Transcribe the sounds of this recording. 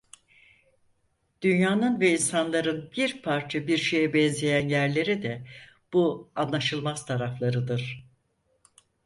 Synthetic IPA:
d̪̥ynjaːnɯnvɛinsanlˠaɾɯnbiɾpʰaɾt͡ʃʰabiɾʃe̞jɛbɛnzejænjæɾlʲe̞ɾid̪ɛb̥uanlˠaʃɯlˠmaz̥t̪ʰaɾaflˠaɾɯd̪ɯɾ̥

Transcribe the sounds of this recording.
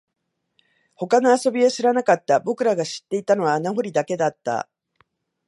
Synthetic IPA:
ho̞kano̞aso̞bʲiaɕiɾanakat̪ːabo̞kɯ̟ɾaɡaɕi̥t̪ːe̞it̪ano̞βaːnaɦo̞ɾʲid̪ake̞d̪at̪ːa̰

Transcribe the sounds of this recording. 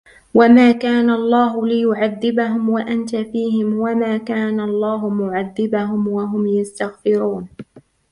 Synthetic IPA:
wamaːkaːnalˤːaːɦʊlɪjʊʕaðːɪbaɦʊmwaʔant̪afiːhɪmwamaːkaːnalˤːɑːɦʊmʊʕaðːɪbaɦʊmwaɦʊmjast̪aɣfɪɾuːn

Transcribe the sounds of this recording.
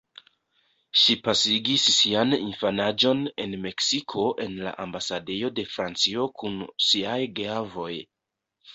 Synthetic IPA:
ʃipasiɡisːianinfanad͡ʒo̞ne̞̰nme̞ksikʰo̞ʔe̞nla̰ʔambasade̞jo̞de̞fɾant͡sio̞kʰunsiajɡavo̞j

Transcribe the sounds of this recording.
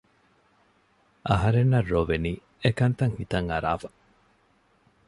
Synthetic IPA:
ʔɐɦɐɾenːɐrːoʋeniː | ekɐnt̪ɐŋhit̪ɐŋɐɾa̰ːfɐ̥

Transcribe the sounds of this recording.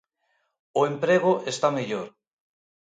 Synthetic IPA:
ʊempɾeɣ̞ʊʔest̪ameʎoɾ

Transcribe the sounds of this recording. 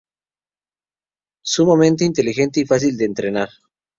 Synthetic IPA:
sumamẽnt̪eint̪e̞lixe̞nt̪eifas̬ild̪eːnt̪ɾenaɾ

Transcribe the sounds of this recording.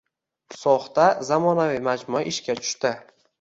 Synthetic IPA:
sɒχt̪azamɒnavimad͡ʒmʊaʔɪʃkʲat͡ʃ̪ʰʊ̥ʃt̪ɪ

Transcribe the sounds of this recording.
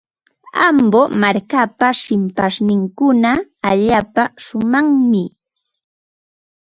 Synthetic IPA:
ambomaɾkapaʃɪmpasnɪŋkʊnaːʎaːpaʃʊmaŋmɪ

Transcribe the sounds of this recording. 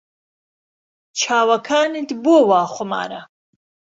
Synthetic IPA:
t͡ʃʰaːwakʰaːnit̪boːwaːχʷʊma̰ːɾa̰

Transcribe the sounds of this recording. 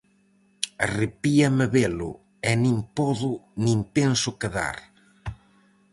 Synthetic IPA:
ɐrepiɐmɪβelʊ̰ | ɛnĩŋpɔðʊnĩŋpensʊkeða̰ɾ

